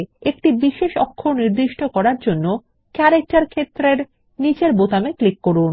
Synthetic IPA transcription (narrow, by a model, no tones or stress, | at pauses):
ek̚ʈibiʃeʃɔkʰːoniɾd̪iʃʈokɔɾaɾd͡ʑonːo | kɛɾek̚ʈaɾkʰet̪ːɾeɾ | nit͡ɕeɾbot̪ameklikːoɾun